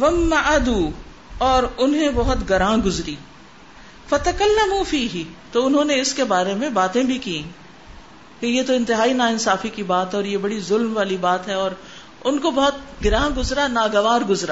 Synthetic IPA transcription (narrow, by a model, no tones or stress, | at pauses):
ʋɐmːɐad̪uː | ɔːɾʊnɦẽbɔɦʊt̪ɡɐɾãːɡʊzɾiː | fɐt̪ɐkɐlːɐmufiːɦɪt̪oːʊnɦõneɪskebaːɾemẽbaːt̪ẽbʱikĩ | kejet̪oɪ̃nt̪ɪɦaːinaːɪnsaːfikibaːt̪ɦɛɔːɾjebɐɽizʊlmʋaːlibaːt̪ɦɛɔːɾ | ʊnkobɐɦʊt̪̚ɡɪɾãːɡʊzɾanaːɡɐʋaːɾɡʊzɾa̰ː